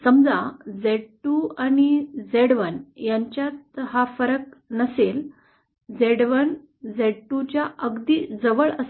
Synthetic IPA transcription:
səmd͡zad͡zeɽʈuaɽ̃id͡zeɽʋənjaɲt͡ɕjat̪̚hafəɾək̚nəsel | d͡zeɽʋən | d͡zeɽʈːut͡ɕjaʔəɡd̪iːd͡zəʋəɭəs

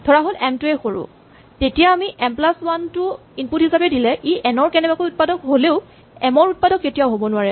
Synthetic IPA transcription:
tʰɔɹaɦolɛmtuɛxoɹṵ | tetijaːmiʔɛmplaswantʊ | inputhisapɛdilɛʔiʔɛnɔɹkɛnɛbakojut̚padɔkɦoleʊ | ɛmɔɹut̚padɔkːetijaʊɦobɔnʊwaɹɛ

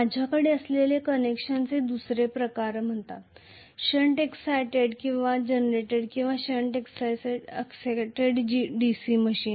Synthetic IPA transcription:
mad͡ʑʱjakəɽeəslelekənekɕənt͡sed̪usɾepɾəkaɾm̤əɳt̪a̰t̪ | ɕəɳʈeksajʈeɽkĩw̃ʋad͡ʑenɾeʈeɽkĩw̃ʋaɕəɳʈeksajsəkseʈeɽd͡ʑɖisiməɕiːn

